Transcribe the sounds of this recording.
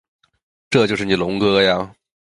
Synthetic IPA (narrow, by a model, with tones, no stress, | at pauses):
ʈ͡ʂɤ˥˧t͡ɕjo˥˧ʂɻ̩˥˩ni˨˩lʊ˧˥ŋkɤ˥ja˧